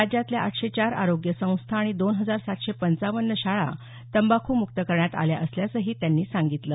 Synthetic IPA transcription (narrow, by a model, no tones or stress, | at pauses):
ad͡ʑjat̪ljaʔaʈʰɕet͡ɕaɾa̰ɾoɡjəsə̃w̃st̪ʰaːɽ̃id̪onɦəd͡zaɾsat̪ɕepənt͡saʋənːəɕaɭa̰ | t̪əmbakʰuːmukt̪əkəɾɳjat̪a̰lja̰ʔəsljasəɦiːt̪janːiːsãŋɡit̪lə